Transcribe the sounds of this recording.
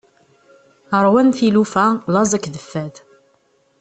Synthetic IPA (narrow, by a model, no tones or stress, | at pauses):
əɾˤwænθilufæðˤɑzˤækːðəfːæð